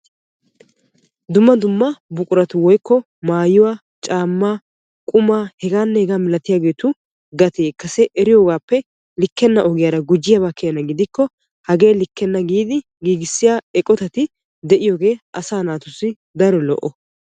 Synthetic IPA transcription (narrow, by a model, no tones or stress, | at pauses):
d̪ʊmːɐd̪ʊmːɐbʊkʼʊɾɐt̪ʊwɔjkːɔ | maːjʊwaː | t͡ʃʼaːmːa | kʼʊmaːhɛɡaːnːɛhɛɡaːmɪlɐt̪ɪjaːɡe̞ːt̪ʊ | ɡɐt̪eːkɐsɛʔɛɾɪjoːɡaːpːɛ | lɪkːɛnːɐʔɔɡɪjaːɾɐɡʊd͡ʒːɪjabakːeɐnːɐɡɪd̪ɪkːɔ | hɐɡe̞ːlɪkːɛnːɐɡiːd̪ɪ | ɡiːɡɪsːɪjaːɛkʼːɔt̪ɐt̪ɪ | d̪ɛʔɪjoːɡe̞ːʔɐsaːnaːt̪ʊsːɪ | d̪ɐɾɔlɔ̰ʔɔ